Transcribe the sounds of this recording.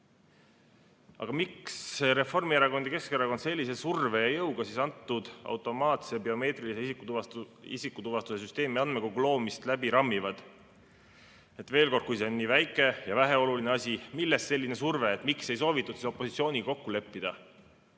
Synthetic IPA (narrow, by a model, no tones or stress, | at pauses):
ɑ̰ɡ̥ɑmikseɾe̞fo̞rmieɾɑɡo̞nd̪̥ike̞skeɾɑɡo̞nd̪se̞lʲːise̞surve̞jɑjɤwɡ̥ɑsisɑnt̪ːud̪̥ɑ̰wt̪ːˑo̞mɑːt̪se̞beo̞me̞ːt̪riliseisikːut̪uvɑḭsikːˑut̪uvɑst̪uses̬yst̪e̞ːmiɑnd̪mekoɡulo̞ːmist̪læbiɾɑmːivɑd̪̥ | e̞t̪ve̞ːlko̞rd̪̥kujse̞onːiːvæjkːˑe̞jɑvæɦe̞o̞lulineɑsʲimilːest̪ːse̞lʲːine̞surve̞ːt̪ːˑmikse̞js̬o̞ːvit̪ːˑud̪̥siso̞pːˑo̞sit̪sijo̞ːnʲiko̞kːule̞pːid̪̥ɑ